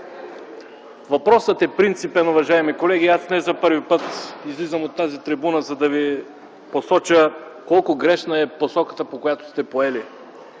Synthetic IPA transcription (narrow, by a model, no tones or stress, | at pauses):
vɐpɾɔsət̪ɛpɾint̪sipɛnʊvɐʒaɛmikolɛɡ̟iasnɛzɐpɤɾvipɤt̪izlizəmot̪ːazit̪ɾibunəzɐd̪ɐvi | posɔt͡ʃəkɔlˠkʊɡɾɛʃnəɛposɔkə̥t̪əpokojat̪o̥st̪ɛpoɛli